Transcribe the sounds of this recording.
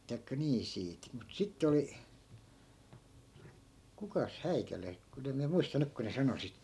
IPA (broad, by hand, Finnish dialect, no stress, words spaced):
tɑi̯kːɑ niː siːt mut sitːe oli kukɑs hæikæle kun em miæ muistɑ nyk ku ne sɑno sit